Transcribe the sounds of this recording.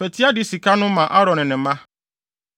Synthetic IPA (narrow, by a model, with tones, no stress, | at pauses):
fɛ˨tʰi˦a˦dɪ˦si˨kʰa˦nʊ̃˦mã˨ʔa˦ɾɔ̃˨nɪ̃˨nɪ̃˨mã˦